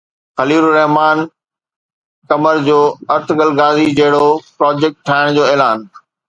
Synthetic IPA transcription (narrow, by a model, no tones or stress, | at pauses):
xɐliːɾuɾɐɦmaːn | kɐməɾd͡ʑoːɐɾt̪ʰɡɐlɡaːzid͡ʑɐɦɪɽopɾaːd͡ʑeːk̚ʈʈʰːaːɪɽ̃d͡ʑoːeːlaːn